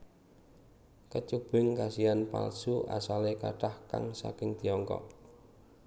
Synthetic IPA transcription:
kət͡ʃub̥ɪŋkasianpa̰lsuʔa̰salekaʈahka̰ŋsa̰kɪŋd̪̥iɔŋkɔ̰ʔ

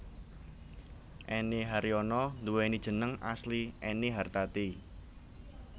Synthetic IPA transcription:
ʔeniɦaɾiɔnɔnd̪uwenid̥ʒ̥ə̤nəŋa̰sliʔɛniɦart̪at̪i

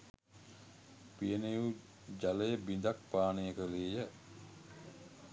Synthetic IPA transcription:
pijəneju | d͡ʒaləjəbind̪ak̚paːnəjəkəleːjə

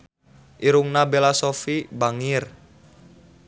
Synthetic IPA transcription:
ʔiɾuŋnabelasofibaŋir

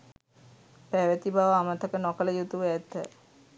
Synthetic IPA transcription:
pæʋət̪ibaʋəamət̪əkənɔkələjut̪uʋɛt̪ːə

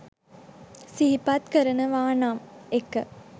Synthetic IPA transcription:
siɦipat̪kəɾənəʋaːnaːmekːə

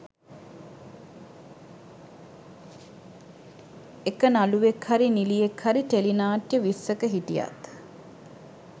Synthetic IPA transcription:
ekənaluʋekhaɾinilijekhaɾit̪elinaːʈjəʋisːəkəɦiʈija̰t̪

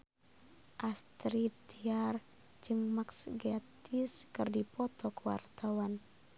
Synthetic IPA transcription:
ʔast̪ɾit̪iar | d͡ʒɨŋmaksɡat̪iskɨrdipɔt̪ɔkuwa̰rt̪awan

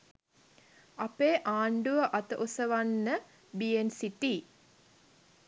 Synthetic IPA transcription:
apeːʔaːɳɖuʋəʔat̪əʔosəʋanːə | biensiti

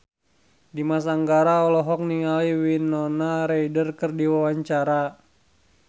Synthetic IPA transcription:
dimas̬aŋɡaɾaɔlɔɦɔk̚niŋaliwinːɔnaɾeidərkərdiwawaɲt͡ʃaɾa

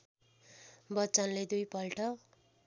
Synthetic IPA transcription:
bʌtːt͡sʌnled̪ujpʌlʈʌ

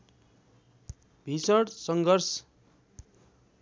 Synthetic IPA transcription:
bʱisʌɽsʌŋɡʱʌrs

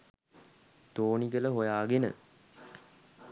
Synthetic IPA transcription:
t̪oːnikələɦojaːɡenə̰

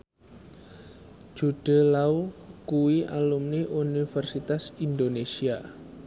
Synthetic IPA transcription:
d͡ʒ̥uɖ̥ə̤laukuwiʔa̰lumniʔunifɛrsit̪asind̪onesia

